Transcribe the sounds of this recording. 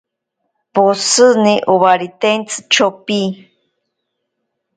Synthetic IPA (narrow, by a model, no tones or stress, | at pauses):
posɨniʔoβaɾit̪ent͡sʰɨ̥t͡ʃʰopi